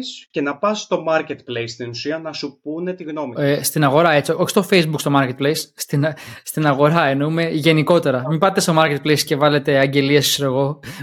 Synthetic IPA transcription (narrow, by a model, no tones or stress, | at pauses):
sce̞nɐpɐst̪o̞mɐɾcet̪plejst̪inusiɐnɐsupune̞t̪iɣno̞mist̪inɐɣo̞ɾɐe̞t͡sioo̞çi̥st̪o̞fejzbukst̪o̞mɐɾcet̪̚plejsːt̪inst̪inɐɣo̞ɾɐenoume̞ʝe̞niko̞t̪e̞ɾɐmipɐt̪ːe̞st̪o̞mɐɾce̞t̪̚plejsce̞vɐle̞t̪e̞ɐɲɟe̞liesiseɾeɣo̞